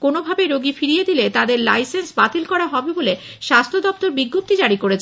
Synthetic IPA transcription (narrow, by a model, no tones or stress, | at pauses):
konobʱabeɾoɡifiɾijed̪ilet̪ad̪eɾlajsensbat̪ilkɔɾaɦɔbebole | ʃast̪ʰod̪ɔp̚t̪oɾbiɡːop̚t̪id͡ʑaɽikoɾet͡ɕʰ